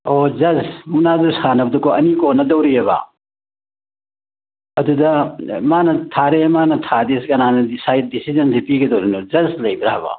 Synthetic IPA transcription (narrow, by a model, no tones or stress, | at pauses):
od͡ʒɐzmunad̪uɾsanɐbɐd̪ɐkoɐnikonɐd̪ɐwɾijɐβa̰ | ɐd̪ud̪ɐmanɐt̪ʰaɾemanɐtʰad̪esɡɐnanɐdisajt̚disizɐnsipiɡed̪owɾinod͡ʒɐzlɐjbiɾaɦba̰